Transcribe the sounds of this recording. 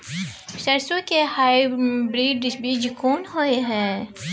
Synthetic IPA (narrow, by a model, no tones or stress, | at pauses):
sɐɾsõkehaːibɾiːɖbʱiːd͡ʒkoːnɦoeɦɛ̃ː